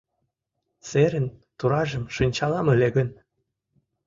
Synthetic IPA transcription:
seɾənt̪uɾɑʒəmʃonʲt͡ɕɑlɑməleɣən

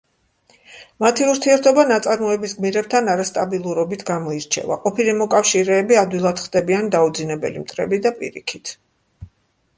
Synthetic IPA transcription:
mat̪ʰiuɾt̪ʰiɛɾt̪ʰɔbanat̪sʼaɾmɔɛbisɡmiɾɛb̚t̪ʰanaɾast̪ʼabilˠuɾɔbit̪ʰɡamɔiɾt͡ʃʰɛ̰va̰qʼɔpʰilimɔkʼafʃiɾɛːbiad̪wilˠad̪χd̪̥ɛbiand̪aud̪zinɛbɛ̰lḭmt̪ʼɾɛ̰bid̪apʼḭɾḭkʰit̪ʰ

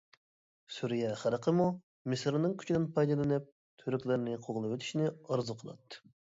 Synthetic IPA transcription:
suɾijɛχæɾˠəqʰəmu | mɨsɾnɨŋkʲʰy̥t͡ʃʰid̪ɪnpʰɑjd̪ɨlˠɨnɨp̚ | t̪ʰøɾykʲlɪɾnɪqʰoʁlˠɨpwøt̪ʰy̥ʃnɪɑɾzuqʰəlˠɑ̰t̪ː

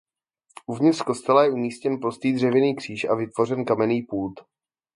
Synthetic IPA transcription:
ʔuvɲɪt̪rko̞st̪ɛlajɛʔumiːscɛnpɾost̪iːd̪r̝ɛvɪniːkr̝̥iːʃa̰vɪt̪vo̞rɛnkamɛniːpuːt̪

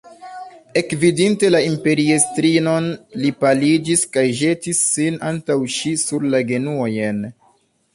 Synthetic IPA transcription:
e̞kvidinte̞laimpe̞ɾiestɾino̞nlipalid͡ʒiskajʒe̞tisːinantawʃisuɾlaɡe̞nuojen

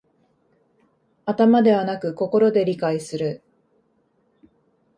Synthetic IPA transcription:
at̪amad̪e̞β̞anakɯ̟ko̞ko̞ɾo̞d̪e̞ɾʲikaisɨɾɯ̟

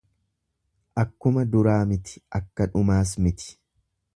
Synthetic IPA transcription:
ʔɐkːʊmɐd̪ʊɾaːmɪt̪ɪ̥ʔɐkːɐᶑʊmaːs̬mɪt̪ɪ̥

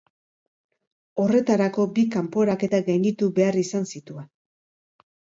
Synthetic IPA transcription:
o̞re̞t̪aɾako̞bikampo̞ɾake̞t̪aɡajnit̪ube̞arisansit̪uen

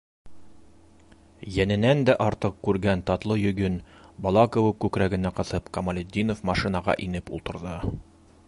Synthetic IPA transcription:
jænɘ̆nænd̪æʔɒɾt̪ɤq̚kːʉɾɡænt̪ɒt̪lˠɤjɵ̆ɡɵnbɒlˠɑkŏwɤkʉkɾæɡɘ̆næqɤ̆θɤpqɐmɐlʲed̪ʲːinofmɑʃinɑʁɑ̰ʔinɘpṵlˠt̪ɤ̆ɾðɤ

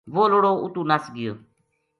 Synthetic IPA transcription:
ʋoːloɽoːʊt̪uːnasɡɪjo̰ː

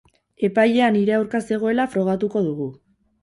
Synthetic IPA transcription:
e̞pajʎe̞aniɾe̞awɾkase̞ɣ̞oe̞lafɾo̞ɣ̞at̪uko̞ðuɣ̞u

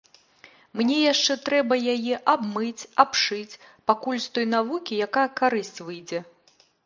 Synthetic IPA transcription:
mnʲɛjaʂt͡ʂɛt̪ɾɛbɐjajɛʔabmɨt͡sʲapʂɨt͡sʲpakulʲst̪ɔjnavukʲijakajɐkaɾɨsʲt͡sʲvɨjd͡zʲɛ

